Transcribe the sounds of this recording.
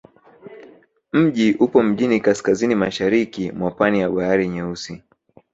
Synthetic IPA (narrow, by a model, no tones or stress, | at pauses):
m̩ʄiʔupɔm̩ʄinikaskazinimaʃaɾikimwapanijaɓaaɾiɲɛusi